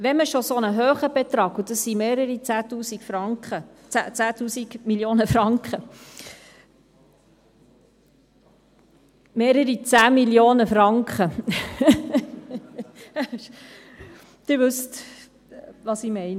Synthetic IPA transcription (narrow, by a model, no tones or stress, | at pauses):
ʋɛnməʃosonəɦøːχəbet̪ɾɑːɡud̥̪ɑsːimeːɾəɾit͡sæːt̪uːsikfɾɑŋχət͡sæt͡sæːt̪uːsiɡmiljoːnəfɾɑŋkχə | meːɾəɾit͡sæːmiljoːnəfɾɑŋkχə | d̥ɪɾʋʉst̪ | ʋɑsimɛɪn